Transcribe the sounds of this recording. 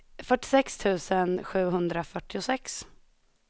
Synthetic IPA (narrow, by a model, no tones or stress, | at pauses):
fœʈːɪ̥sɛkst̪ʰʉ̟ːsənɧʉ̟ːɦɵnd̪ɾafœʈːɪʊsɛks